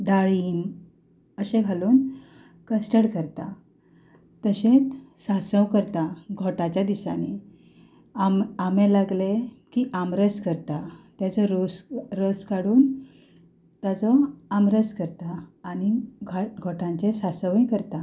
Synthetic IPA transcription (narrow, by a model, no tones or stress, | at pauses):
d̪aɭiːm | əɕẽɡʱaluːn | kəsʈəɽkəɾt̪a | t̪əɕẽt͡ssasə̃wkəɾt̪aɡʱɔʈat͡ɕjad̪isa̰ne | amamẽlaɡlekiʔamɾəskəɾt̪at̪jat͡sɔɾosɾəskaɽuːn | t̪jat͡sɔamɾəskəɾt̪aːñiɡɡʱɔʈãɲt͡sesasəʋĩkəɾt̪a